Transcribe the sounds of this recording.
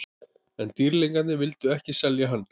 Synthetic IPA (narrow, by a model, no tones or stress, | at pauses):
ɛnt̪iɾliŋkat̪nɪvɪlt̪ʏɛhcɪsɛljaɦanː